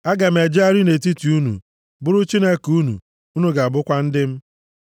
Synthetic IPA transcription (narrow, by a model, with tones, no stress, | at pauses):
a˦ɡa˨m̩˨e˨d͡ʒa˦ɾi˦ne˨t̬i˦ti˨u˦nṵ˨ | bʊ˦ɾʊ˦t͡ʃi˦ne˦ku˦nṵ˨ | u˦nu˦ɡa˨a˨bʊ˦kʷa˦n̩˦dɪ˦m̩˦